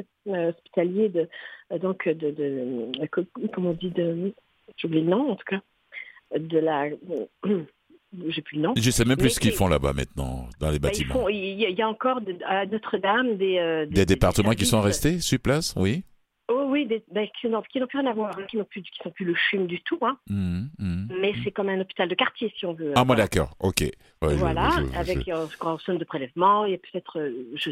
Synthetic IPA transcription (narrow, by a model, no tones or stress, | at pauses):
øɔspi̥t̪aljed̪əd̪ɔ̃kʰød̪əd̪əkkɔmɑɔ̃d̪id̪ə | svuvlelnɔ̃ɑ̃t̪u̥ka | d̪əla | ʒeplylənɔ̃ʒəsɛmɛ̃mplysə̥kilfɔ̃la̰ba̰mɛ̰̃t̪nɑ̰̃d̪ɑ̃lebatiimɑfɔ̃iailjaɑ̃kɔʁnɔt̪χəd̪amd̪eød̪d̪ed̪epaʁt̪əmɑ̃k̬ʲisɔ̃ʁɛst̪esyʁplaswi | owid̪ebɛkʲi̥sɔ̃d̪ɔ̃kʲinɔ̃plyʁjɛ̃navwaʁɛ̃kʲinɔ̃plykʲi̥sɔ̃plyləʃymd̪yt̪uɛ̃ | mɛsɛkɔmɛ̃nɔpi̥t̪ald̪əkaʁt̪jesiɔ̃vøamwad̪akɔ̰ːʁo̰kʲḛ | wɛʒvwalaavɛksksond̪əpχelɛvmɑ̃iljapø̥t̪ɛt̪χøʒə